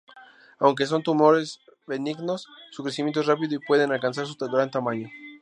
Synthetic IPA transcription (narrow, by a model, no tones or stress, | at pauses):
awŋk̬es̬o̞nt̪umo̞ɾe̞z | beniɡnosːukɾes̬imjent̪orapiðoipwe̞ð̞e̞nalkans̬aɾs̬ut̪aɡɾant̪amãɲo